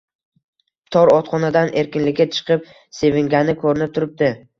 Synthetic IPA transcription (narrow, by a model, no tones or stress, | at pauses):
t̪ʰɒɾɒt̪χɒnad̪anʔe̞ɾkʲɪnlɪkʲːat͡ʃʰɨ̥qʰɨp̚ | se̞vɪŋɡʲanɪkʰɵɾɪnɪp̚t̪ʰʊɾɪp̚d̪ɪ